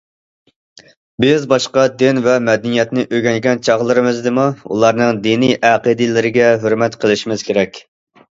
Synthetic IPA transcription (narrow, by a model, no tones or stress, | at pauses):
bɪzbɑʃqɑd̪ɪnvɛmɛd̪ɛnijɛt̪nɪʔøɡʲɛŋɡʲɛnt͡ʃʰɑʁlˠɨɾɨmɨzd̪ɨmuṵlˠɑɾnɨŋd̪inijʔæqəd̪ɨlɪɾɪɡʲɛɦøɾmɛt̪qʰəlˠɪʃimɪz̥kʲʰeɾɛkʲ